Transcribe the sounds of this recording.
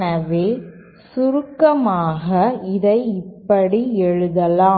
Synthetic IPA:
nɐʋeː | sʊɾɯkːɐmaːɣɐɪðɐɪɪpːɐɽiɛɻɯðɐlãː

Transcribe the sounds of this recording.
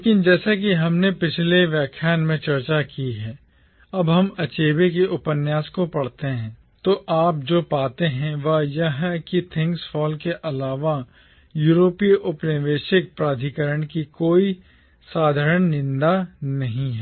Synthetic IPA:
leːkɪnd͡ʒɛːsak̬iɦɐmnepɪt͡ʃʰleʋjaːkʰjaːnmẽt͡ʃɐɾt͡ʃakiɦɛː | ɐbɦɐmɐt͡ʃeːbek̬eʔʊpənjaːskopɐɽt̪eɦɛ̃ː | t̪oʔaːp̚d͡ʒoːpaːt̪eɦɛ̃ʋɐjɐɦkit̪ʰɪ̃ŋksfɔːlkeʔɐlaːʋa | juːɾoːpiʔʊpnɪʋeːʃɪk̚pɾaːd̪ʱikəɾəɽ̃kikoːi | saːd̪ʱəɾəɳ̃nɪ̃nd̪anɐɦĩɦɛː

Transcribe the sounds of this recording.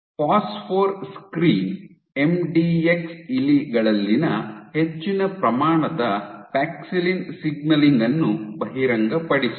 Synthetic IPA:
paːspʰoːɾskɾiːn | e̞mɖiːeksiliɡɐɭɐlːinɐhet͡ʃːinɐpɾɐmaːɳɐd̪ɐpaːksilinsiɡnɐliŋɡɐnːubɐɦiɾɐŋɡɐpɐɽisu̥

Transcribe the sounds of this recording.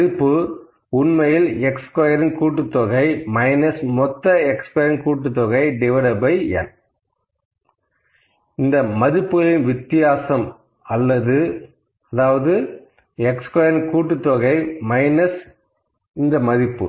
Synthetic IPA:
ðɪpːɯ | ʊnmɐjɪlɛkskɔjɐɾɪnkuːʈːɯt̪ːɔɣɐɪmɐɪnɐsmɔt̪ːɐɛkskɔːjɐɾɪnkuːʈːɯt̪ːɔɣɐɪɖɪʋɐlɐbɐɪɐ̰n | ɪnd̪ɐmɐðɪpːɯɣɐɭɪnʋɪt̪ːɪjaːsɐm | ɐlːɐðɯ | ɐðaːʋɐðɯ | ɛkskɔjɐɾɪnkuːʈːɯt̪ːɔɣɐɪmɐɪnɐs | ɪnd̪ɐmɐðɪpːɯ

